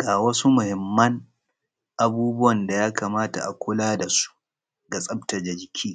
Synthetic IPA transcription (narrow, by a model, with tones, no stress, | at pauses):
ɡ̥aː˨wɐ˦su˦mʊ˨hɪ˨mːɐ˦ŋ | ʔa˨buː˦bʊ˦wɐ˨nda˨jaː˦kaː˨maː˦ta̰˨ʔa˨kʷʊ˦laː˦da˨su̥˦ | ɡa˨sʼɐ˦bta˨d͡ʒɐ˨d͡ʒɪ˨kʲʰiː˦